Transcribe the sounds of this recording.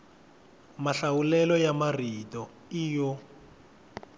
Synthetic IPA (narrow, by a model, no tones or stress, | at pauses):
maɬawulɛlɔjamaritɔ | iːjɔ